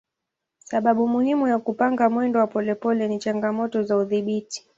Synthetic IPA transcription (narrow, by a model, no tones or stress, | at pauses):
saɓaɓumuhimujakupaŋɡamwɛndɔwapɔlɛpɔlɛnit͡ʃaŋɡamɔtɔzauðiɓiti̥